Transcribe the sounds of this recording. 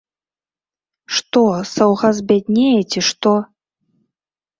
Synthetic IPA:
ʂt̪ɔsɐwɣɐzbʲad̪ʲnʲejɛt͡sʲiʂt̪ɔ

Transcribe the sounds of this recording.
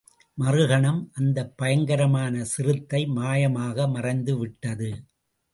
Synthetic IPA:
mɐrɯɣɐɳɐmʔɐnd̪ɐpːɐjɐŋɡɐɾɐmaːnɐsɪrɯt̪ːɐɪmaːjɐmaːɣɐmɐrɐɪnd̪ɯʋɪʈːɐðɯ

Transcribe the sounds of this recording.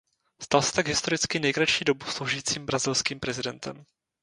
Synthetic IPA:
st̪alsɛ̥t̪aɡɦɪst̪o̞ɾɪt͡skɪnɛjkɾaʃiːdo̞buslowʒiːt͡siːmbɾazɪlskiːmpɾɛzɪdɛnt̪ɛ̰m

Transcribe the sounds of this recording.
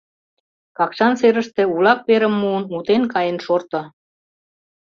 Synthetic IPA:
kɑkʃɑnseɾə̆ʃt̪ĕulɑk̚peɾə̆mːuənut̪enkɑjə̆nʃort̪ŏ

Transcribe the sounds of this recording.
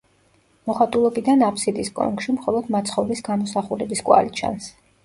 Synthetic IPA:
mɔχat̪ʼulˠɔbid̪anapʰsid̪iskʼɔ̰ŋkʃimχɔlˠɔd̪mat̪sʰχɔvɾisɡamɔsaχuɾɛbiskʼwa̰lit͡ʃʰa̰ns

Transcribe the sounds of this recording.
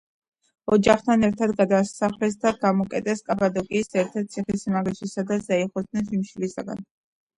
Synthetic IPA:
ɔd͡ʒaχt̪ʰanɛɾt̪ʰad̪ɡad̪asaχlɛsd̪aɡamɔkʼɛt̪ʼɛskʼapʼad̪ɔkʼiːsɛɾt̪ʰɛɾt̪̚t̪sʰiχisimaɡɛʃisad̪azaiχɔd̪nɛnʃimʃilisaɡa̰n

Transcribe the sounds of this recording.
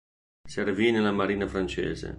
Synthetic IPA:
servinelamaɾiːnafɾant͡ʃḛːzḛ

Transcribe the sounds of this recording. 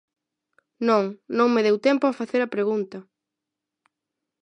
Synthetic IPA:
nõŋnõŋmeðewt̪empoafaθeɾɐpɾeɣunt̪ɐ

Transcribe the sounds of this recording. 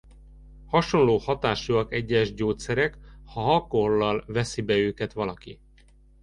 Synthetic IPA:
hɒʃo̞nloːhɒt̪aːʃuɒkɛɟːɛʒɟoːt̪sɛɾɛkhɒɦɒkolːɒlvɛsibɛøːkɛt̪ʋɒlɒki

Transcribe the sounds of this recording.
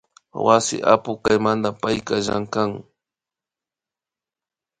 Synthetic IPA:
wasɪ̰ʔa̰pʊkajmand̪apajkaʒa̰ŋkaŋ

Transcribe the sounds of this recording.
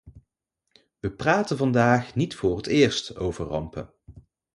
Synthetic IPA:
ʋəpraːtənvɑndaːχnitfʊːrətɪːɹstowvəɹrɑ̰mpə̰n

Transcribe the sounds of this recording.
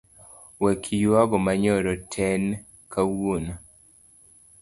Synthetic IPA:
wekʰijuaɡɔmaɲɔɾɔtʰɛn | kawun

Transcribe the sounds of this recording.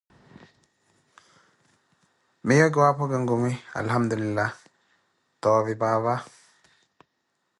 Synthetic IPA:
mijaɡwapoɡəŋɡumia̰lhamd̪ulilːa | t̪ɔːvibaːβa

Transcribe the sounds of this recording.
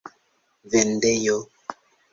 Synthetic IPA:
vɛndɛjo

